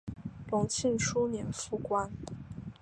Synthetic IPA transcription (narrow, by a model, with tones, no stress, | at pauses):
lʊ˧˥ŋt͡ɕʰi˥˩nʈ͡ʂʰu˥njɛ˧˥nfu˥˩kwa˥n